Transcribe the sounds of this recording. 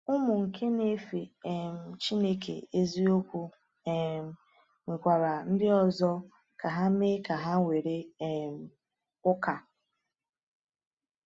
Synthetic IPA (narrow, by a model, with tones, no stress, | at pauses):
ʊ˦mʊ˨ŋ̩˨kʰe˦ne˦fi˨e˨m̩˨t͡ʃi˦ne˦kʰḛ˨e˦zi˦o˦kʷu˦ | e˨m̩˨ | ŋʷi˨kʷa˨ɾa˨n̩˦dɪ˦ɔ˨zɔ˦ | ka˨ɦa˦me˦ka˨ɦa˦ŋʷe˨ɾe˦˨m̩˦ | ʊ˦ka˨